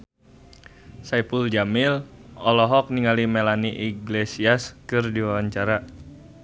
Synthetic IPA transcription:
saipuld͡ʒamilɔlɔɦɔk̚niŋalimelaniʔiɡlesiaskɨrdiwawaɲt͡ʃaɾa

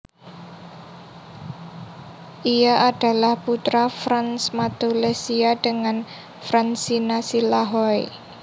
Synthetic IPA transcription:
ʔijaʔaɖ̥a̤lahput̪ɾafɾansmat̪olesiaɖ̥əŋan | fɾansinasilaɦɔḛ

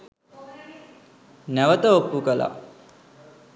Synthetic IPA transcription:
næʋət̪əopːukəla̰

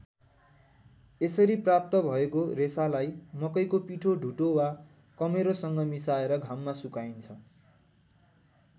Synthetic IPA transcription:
esʌɾiprap̚t̪ʌbʱʌekoresalajmʌkʌjkopiʈʰoɖʱuʈowa | kʌmeɾosʌŋɡʌmisaeɾʌɡʱamːasukajnt͡sʰʌ

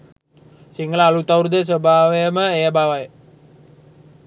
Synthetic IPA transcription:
siŋəlalut̪aurd̪əs̬əbaweməejəbawaj

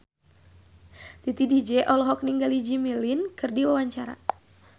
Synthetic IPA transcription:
t̪it̪idid͡ʒɛʔɔlɔɦɔk̚niŋɡalid͡ʒimilinkɨrdiwawaɲt͡ʃaɾa̰

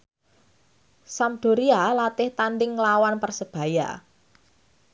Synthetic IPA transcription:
samd̪̥o̤ɾialat̪ɪht̪anɖɪŋlawanpərsəb̥ä̤ja̰

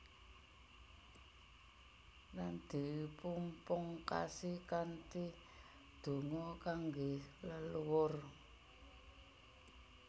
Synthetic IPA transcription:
land̪̥i̤wpumpʊŋka̰sikant̪i | d̪̥o̤ŋɔkaŋɡeləluwʊr

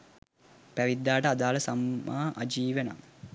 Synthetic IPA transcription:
pæʋid̪ːaːʈəad̪aːləsamːaːʔad͡ʒiːʋena̰ŋ

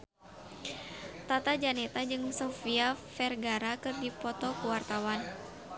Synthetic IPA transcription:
t̪at̪ad͡ʒanɛt̪ad͡ʒɨŋsɔfiafɛrɡaɾakɨrdipɔt̪ɔkuwart̪awan

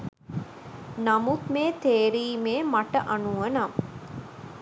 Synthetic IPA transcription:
namut̪meːt̪eːɾiːmeːmaʈəʔanuʋənam

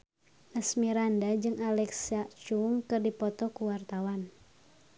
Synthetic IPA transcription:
ʔəsmiɾandad͡ʒɨŋalɛksat͡ʃuŋkɨrdipɔt̪ɔkuwart̪awan

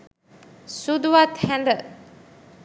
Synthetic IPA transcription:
sud̪uʋat̪hɛ̃nd̪ə

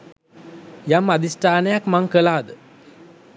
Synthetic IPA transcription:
jamːad̪isʈaːnəjakmaŋkəlaːd̪ə

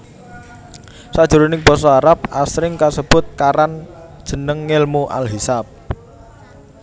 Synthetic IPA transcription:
sad̥ʒ̥ṳɾonɪŋb̥ɔ̤sɔaɾap̚ʔasɾɪŋkasəb̥ʊt̪̚kaɾand̥ʒ̥ə̤nəŋːɪlmuʔa̰lɦisap̚

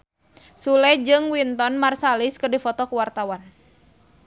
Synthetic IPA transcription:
sulɛd͡ʒɨŋwint̪ɔnmarsaliskɨrdifɔt̪ɔkəwart̪awan

